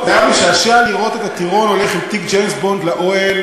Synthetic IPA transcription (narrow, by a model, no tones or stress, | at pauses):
vajameʃaaʃaaliʁʔo̞t̪et̪at̪iʁo̞no̞leχimt̪ikd͡ʒejnsbo̞nd̪laʔoel